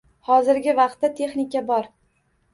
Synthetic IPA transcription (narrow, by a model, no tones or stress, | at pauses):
hɒzɪɾɡʲɪvɑq̚t̪ːat̪ʰe̞χnɪkʲabɒɾ